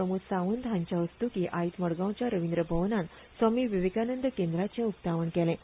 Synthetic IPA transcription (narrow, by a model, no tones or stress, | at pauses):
əmusaʋənd̪ʱɦãɲt͡ɕjaəst̪ukiʔait̪məɽɡãw̃t͡ɕjaɾəʋind̪ɾəbʱəʋnãn | samiːʋiʋekanənd̪əkẽnd̪ɾat͡ɕẽupt̪aʋəɳkɛlẽ